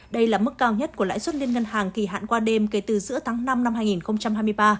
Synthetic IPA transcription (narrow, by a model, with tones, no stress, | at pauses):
ɗə˧jlaː˨˩m˦˥kːaː˧wɲə˦˥t̚ku˧˩a̰ː˧˥jswə˦˥t̚li˧ənŋə˧nhaː˨˩ŋki˨˧˩ɦa̰ː˧˨nkwaː˧ɗe˧mke˨˦t̪ɨ˨˩zɨ̰˧˥ət̪ʰaː˨˦ŋna˧mna˧mhaː˧jŋi˨˩nxə˧wŋ͡mt͡ɕa˧mhaː˧jmɨ˧əjɓaː˧